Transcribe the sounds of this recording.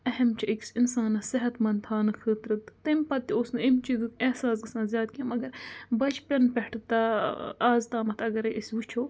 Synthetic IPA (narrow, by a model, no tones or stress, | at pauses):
ɐɦɐmt͡ʃʰɐiksinsaːnɐsɪɦɐt̪mɐnt̪ʰaːnɨxɨːt̪ɾɐt̪t̪ɐmpɐt̪ːiosnɨimt͡ʃizɨkehsaːsɡɨsãːzjaːt̪̚kiamɐɡɐɾbɐt͡ʃʰpʲɐnpɐʈt̪aaːzt̪aːmɐt̪ʰɐɡɐɾeʔisʋut͡ʃʰoː